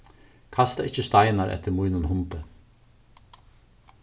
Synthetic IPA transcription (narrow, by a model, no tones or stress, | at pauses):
kʰast̪a̰ʔɪçəst̪ajnaɾʔɛ̰t̪ːəɾmujnənhʊnt̪ə